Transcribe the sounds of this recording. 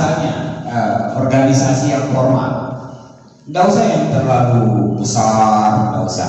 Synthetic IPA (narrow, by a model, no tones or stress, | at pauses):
aɲaəɔrɡanisasijaŋfɔrma̰t̪̚ | dausajaŋt̪ərlalubəsardausa̰